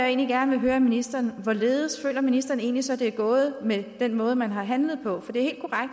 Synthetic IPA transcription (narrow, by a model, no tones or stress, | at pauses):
e̝ːnliɡ̥æɐnəʋe̝ɦøːɐminisd̥ɐːnʋɒle̝ːð̞ˠəsfø̰ːlɐminisd̥ɐːne̝̰ːnlisɒ̽d̥e̝æɡ̥ɔ̽ːð̞̩ˠəmed̥enmɔ̽ːð̞̩ˠəmænɦɑ̈ɦænləð̩ˠpʰɒ̽fɒ̽d̥e̝æɐhe̝̰ːld̥kʰoʁaɡ̥d̥